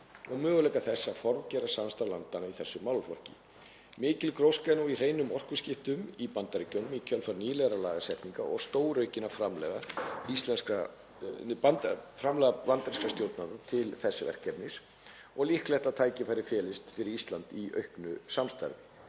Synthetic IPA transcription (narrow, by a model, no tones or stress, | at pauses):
ɔɣmœːɣʏlɛjkaθɛsːafɔɾvcɛːɾasamst̪aɾlant̪anaiθɛsːʏmːawlfɔr̥cɪ̰ | mɪːcɪlkɾowskanuir̥ejnʏmɔr̥kʏscɪft̪ʏmipant̪aɾɪcœnʏmicʰœlfaɾniːlɛɣɾalaːɣasɛht̪niŋkaʔɔ̰ɣst̪oːwɾœɥcɪnːafɾamlɛɣaist̪lɛnska | afɾamlɛɣaant̪aɾinskast̪jowɾt̪naðat̪ʰɪlθɛsːɪvɛ̰r̥kɛp̪nɪs | ɔɣlihklɛht̪at̪ʰaːjcɪfajɾɪfjɛːlɪst̪fɪɾɪɾist̪lant̪iœ̰ɥhknʏsamst̪a̰ɾvɪ